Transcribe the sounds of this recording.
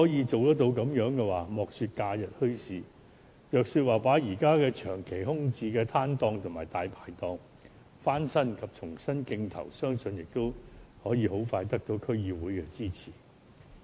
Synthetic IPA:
hɔː˨˥jiː˨˧t͡so˨wt̪ɐ˥k̚t̪o˧wkɐ˨˥mjœː˨˧˥ŋkɛː˧waː˨˩mɔː˨k̚syː˧t̚kaː˧jɐ˨t̚hɵ˥ɥsiː˨ | jœː˨k̚syː˧t̚waː˨˩paː˨˥jiː˨˩kaː˥kɛː˧t͡ʃʰœː˨˩ŋkʰe˨˩jhʊ˥ŋt͡siː˧kɛː˧t̪ʰaː˥nt̪ɔː˧ŋt̪ʰʊ˨˩maː˨˩jt̪aː˨jpʰaː˨jt̪ɔː˧ŋ | faː˥nsɐ˥nkʰɐ˨p̚t͡ʃʰʊ˨˩ŋsɐ˥nkɪ˧ŋt̪ʰɐ̰˨˩wsœː˥ŋsɵ˧njɪ˨k̚t̪o˥whɔː˨˥jiː˨˧ho˨˥wfaː˧jt̪ɐ˥k̚t̪o˨˥wkʰɵ˥ɥjiː˨˧wuː˨˥jkɛː˧t͡siː˥t͡sʰiː˨˩

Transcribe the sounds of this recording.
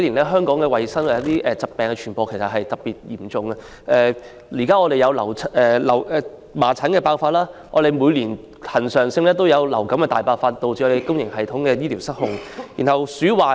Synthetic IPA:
liː˨˩nlɛː˥ɦœː˥ŋkɔː˨˥ŋkɛː˧wɐ˨jsɐ˥na˨jɐ˨˥t̪iː˥ʔɛː˨˩t͡sɐ˨t̚pːɛː˨ŋkɛː˧t͡ʃʰyː˨˩npɔː˨˧kʰjsɐ˨t̚hɐ˨jt̪ɐ˨p̚piː˨t̚jiː˨˩mt͡sʊ˨ŋɐ˧ | ʔɛː˨˧ | liː˨˩kaː˥ŋɔː˨˧ɾe˨jɐ˨˧wlɐ˨˩wt͡sʰɛː˨˧lɐ˨˩wɛː˨˧ | maː˨˩t͡sʰɐ˨˥nkɛː˧paː˧wfaː˧t̚laː˥ʔɔ̰ː˨˧ɾe˨˧jmu˨˧jliː˨˩n | hɐ˨˩nsœː˨˩ŋsɪ˧ŋlɛː˥t̪o˥wjɐ˨˧wlɐ˨˩wkɐ˨˥mkɛː˧t̪aː˨jpaː˧wfaː˧t̚t̪o˨wt͡syː˨ɔ˧e˨˩jkʊ˥ŋjɪ˨˩ŋhɐ˨jt̪ʰʊ˨˥ŋkɛː˧jiː˥liː˨˩wsɐ˥t̚hʊ̰˨˧ŋjḭː˨˩nhɐ˨˩wsyː˨˥waː˨

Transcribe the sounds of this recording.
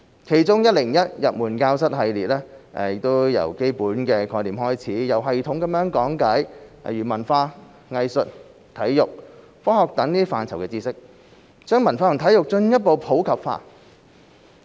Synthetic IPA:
kʰe˨˩jt͡sʊ˥ŋjɐ˥t̚lɪ˨˩ŋjɐ˥t̚jɐ˨t̚muː˨˩nkaː˧wsɐ˥t̚ɦɐ˧jliː˨t̚lɛː˥ʔɛ˨˩jɪ˨k̚t̪o˥wjɐ̰˨˩wke˥jpuː˨˥nkɛː˧kʰɔː˧jliː˨˩mɦɔː˥jt͡sʰiː˨˥jɐ˨wɦɐ˨jt̪ʰʊ˨˥ŋkɐ˨˥mjœː˨˥ŋkɔː˨˥ŋkɐ˨˥j̰jyː˨˩mɐ˨˩nfaː˧ | ŋɐ˨˧jsɵ˨t̚ | t̪ʰɐ˨˥jjʊ˨˩k̚ | fɔː˥hɔː˨k̚t̪ɐ˨˥ŋniː˥faː˨˧nt͡sʰɐ˨˩wkɛː˧t͡siː˧sɪ˥k̚ | t͡ʃœː˥ŋmɐ˨˩nfaː˧ʊ˨˩t̪ʰɐ˨˥jʊ˨k̚t͡ʃɵ˧njɐ˥t̚po˨˧wpʰo˨˥wkʰɐ˨p̚fa̰ː˧

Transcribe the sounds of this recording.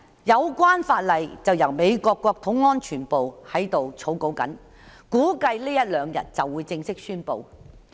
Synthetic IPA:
jɐ˨˧wkwaː˥nfaː˧t̚lɐ˨jt͡sɐ˨wjɐ˨˩wme˨˧jkɔː˧kːɔː˧k̚t̪ʰʊ˨˥ŋːɔː˥nt͡ʃʰyː˨˩npo˨whɐ˨˥jt̪o˨wt͡sʰo˨˥wko˨˥wkɐ̰˨˥n | kuː˨˥kɐ˧jliː˥jɐ˥t̚lœː˨˧ŋjɐ̰˨˩t̚t͡sɐ˨wːuː˨˧jt͡sɪ˧ŋsɪ˥k̚syː˥npo̰˨˧w

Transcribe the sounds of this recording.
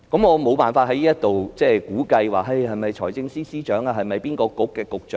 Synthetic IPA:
kɐ˨˥mŋɔː˨˧mo˨˧wpaː˨nfaː˧t̚ɦɐ˨˦jliː˥jɐ˥t̪o˨wt͡sɛː˥˩kuː˨˥kɐ˧jwaː˨˩ɦɐ˧jhɐ˨jmɐ˨˩jt͡ʃʰɔː˨˩jt͡sɪ˧ŋsiː˥siː˥t͡ʃœː˨˥ŋaː˧ɦɐ˨jmɐ˨˩jpiː˥nkɔː˧kʊ˨˥kːɛː˧kʊ˨k̚t͡ʃœː˨˥

